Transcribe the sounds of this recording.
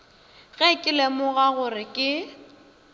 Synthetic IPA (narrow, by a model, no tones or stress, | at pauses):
ɣɛkʼɪlemʊɣaɣʊrɪkʼɪ